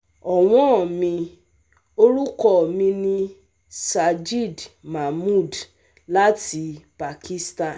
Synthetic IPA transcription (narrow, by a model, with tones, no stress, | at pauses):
ɔ˨w̃ɔ̃˦ɔ˨mĩ˧ | o˧ɾu˦kɔ˦˨mĩ˧nĩ˧ | sa˧d͡ʒi˦˨dma˨mu˦˨d | la˦ti˧pa˨ki˦sta˦˨